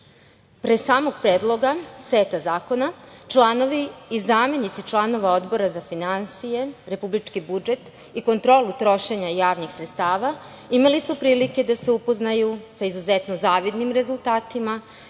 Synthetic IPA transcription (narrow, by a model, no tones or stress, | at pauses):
pɾesaːmoɡpɾeːd̪lˠo̞ɡasʋeːt̪azaːko̞nat͡ʃlˠano̞ʋiizaːme̞nit̪sit͡ʃlˠano̞ʋao̞d̪bo̞ɾazafinansije̞ɾe̞publit͡ʃkibud͡ʒe̞t̪ | iko̞nt̪ɾo̞ːlut̪ɾo̞ʃeɲajaːʋnixsɾet̪st̪aːʋa | imalisupɾiːlike̞d̪ase̞upoznajusaizuzet̪nozaːʋid̪nimɾe̞zulˠt̪aːt̪ima